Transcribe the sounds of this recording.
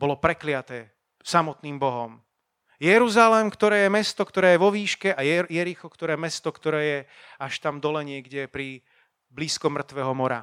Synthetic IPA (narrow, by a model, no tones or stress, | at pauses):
bɔlɔpɾɛklɪat̪ɛː | samɔt̪niːmbɔɦɔm | jɛɾuzalɛmkt̪ɔɾɛːjɛmɛst̪ɔkt̪ɔɾɛːjɛʋɔʋiːʃkɛajjɛɾixɔkt̪ɔɾɛːmɛst̪ɔkt̪ɔɾɛːjɛ | aʃt̪amd̪ɔlɛɲɪɛɡɟɛpɾi | bliːskɔmr̩t̪ʋɛːɦɔmɔɾa̰